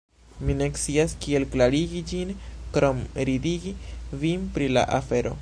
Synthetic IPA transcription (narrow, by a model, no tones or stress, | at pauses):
mine̞kt͡siaskie̞lklaɾiɡid͡ʒinkɾomɾidiɡivimpɾila̰ʔafe̞ɾo̞̰